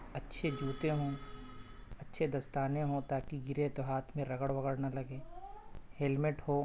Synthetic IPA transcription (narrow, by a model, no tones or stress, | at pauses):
ɐtːʃʰed͡ʒuːt̪eɦõ | ɐtːʃʰed̪ɐst̪aːneɦõt̪aːkiɡɪɾet̪oɦaːt̪ʰmẽɾɐɡəɽpɐɡəɽnalɐɡeː | hɛlmɪʈɦoː